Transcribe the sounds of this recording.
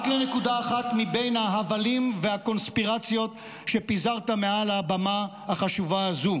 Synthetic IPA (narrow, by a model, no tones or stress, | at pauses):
klenekud̪aːχat̪mibe̞jnhaɦavalimveako̞nspiʁat͡sjo̞t | ʃe̞pizaʁt̪ame̞alabamahaχaʃuvaːzu